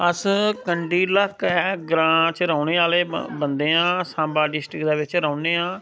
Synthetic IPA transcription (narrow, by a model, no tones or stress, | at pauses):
əskəɳɖiːləkːɛːɡɾãːt͡ʃɾəːɳeːaːleːbənd̪eːãːsãːmbaːɖɪsʈɾɪkd̪aːʋɪt͡ʃɾəːʊneːãː